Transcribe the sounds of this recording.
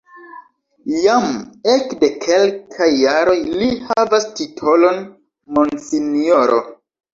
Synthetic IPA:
jamekde̞kʰe̞lkʰajːaɾo̞jlihavastitʰo̞lo̞n | monsinoɾo̰

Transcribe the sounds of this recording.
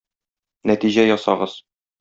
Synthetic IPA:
næt̪iʑæjɒsɑ̰ʁɤz̥

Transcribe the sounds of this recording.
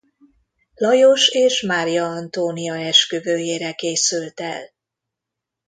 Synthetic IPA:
lɒjoʃeːʃmaːɾijɒɒnt̪oːnijɒɛʃkøvøːjeːɾɛkeːsylt̪ɛ̰l

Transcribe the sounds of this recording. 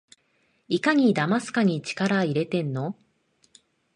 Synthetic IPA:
ikaɲ̟id̪amasɨ̥kaɲ̟it͡ɕi̥kaɾaiɾe̞t̪ẽ̞nːo̞

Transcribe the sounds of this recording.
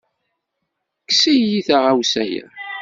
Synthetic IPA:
ksijjiθaʁawsæjæ̰

